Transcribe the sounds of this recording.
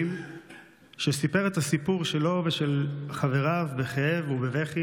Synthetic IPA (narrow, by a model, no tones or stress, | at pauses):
m | ʃesipe̞ʁetasipuʁʃe̞lo̞veʃelχave̞ʁavbeχeevubeveχi